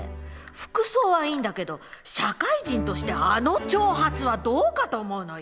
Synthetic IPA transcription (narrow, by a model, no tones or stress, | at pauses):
ɸɯ̥kɯ̟so̞ːβaiːnd̪ake̞d̪o̞ɕakaiʑĩnt̪o̞ɕi̥t̪e̞ano̞t͡ɕo̞ːɦat͡sɨβad̪o̞ːkat̪o̞ːmo̞ɯ̟no̞